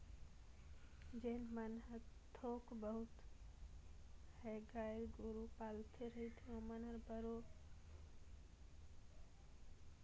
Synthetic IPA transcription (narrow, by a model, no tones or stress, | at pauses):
d͡ʒenmənɦəɾt̪ʰoːkbəɦʊt̪ | heɡaːjlɡoɾupaːlt̪ʰeɾəɦit̪ʰiõmənəɾbəɾo